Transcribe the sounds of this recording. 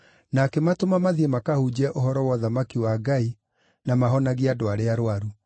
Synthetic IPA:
nakematomamaðiemakahud͡ʑiɛʔoɦɔɾɔwɔðamakiwaɡai | namaɦɔnaɣiadoaɾeaɾwaɾu

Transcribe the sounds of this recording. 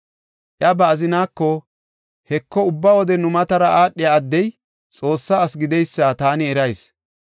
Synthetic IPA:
ʔjɐbɐːzɪnaːkːɔ | hɛkːɔʊbːawɔd̪ɛnʊmɐt̪ɐɾɐʔaːɗːɪjaɐd̪ːɛj | t͡sʼo̞ːsːaːɐsɡɪd̪ɛjsːat̪aːnɪɛɾɐjs

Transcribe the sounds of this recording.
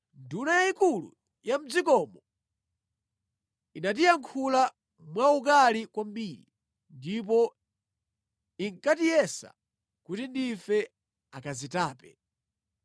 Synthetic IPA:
ndunajaikulṵ | jam̩d͡zikɔmɔ | inat̬ijaŋkʰula | mwaukalikwam̩biːɾi | ndip̬ɔ | iŋkatijɛsa̰ | kutindifɛ | akazitaːpɛ

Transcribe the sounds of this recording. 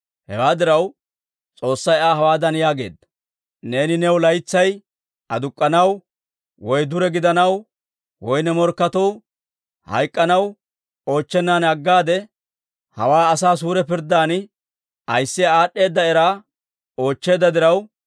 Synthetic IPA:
hɛ̰waːd̪ɪɾɐw | t͡sʼo̞ːsːɐjaːɦɐwaːd̪ɐnjaːɡe̞ːd̪ːɐ̥ | ne̞ːnɪnɛwlɐjt͡sːɐj | ʔɐd̪ʊkʼːɐnɐw | wɔjd̪ʊɾɛɡɪd̪ɐnɐw | wɔjnɛmɔɾkːɐt̪ɔw | hɐ̰jkʼːɐnɐw | o̞ːt͡ʃːɛnːaːnɐɡːaːd̪ɛ | hɐ̰waːɐsaːs̬uːɾɛpɪɾd̪ːaːn | ɐjsːɪjaaːɗːe̞ːd̪ːɐɛɾaː | o̞ːt͡ʃːe̞ːd̪ːɐd̪ɪɾɐw

